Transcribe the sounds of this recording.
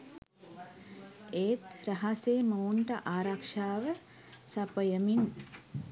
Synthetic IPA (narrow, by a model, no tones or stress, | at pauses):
eːt̪ɾɐɦaseːməuɳʈɐʔaːɾakʂaːʋə | sɐpəjəmin